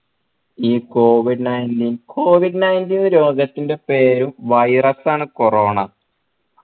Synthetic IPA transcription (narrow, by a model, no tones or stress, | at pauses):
iːko̞ːʋiɖɨnɐjndiːnkʰoːʋiɖɨnɐjndiːnɾo̞ːɡɐt̪ːinde̞pe̞ːɾumʋɐjrɐsaːɳɨkoroːɳɐ